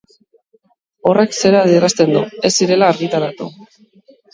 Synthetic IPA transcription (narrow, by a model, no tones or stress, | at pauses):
o̞rekse̞ɾaðierast̪e̞nd̪ue̞sːiɾe̞laːɾɣit̪aɾat̪u